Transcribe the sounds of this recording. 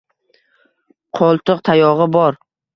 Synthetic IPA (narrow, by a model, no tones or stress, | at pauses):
qʰɒlˠt̪ɨqt̪ʰajɒʁɨbɒɾ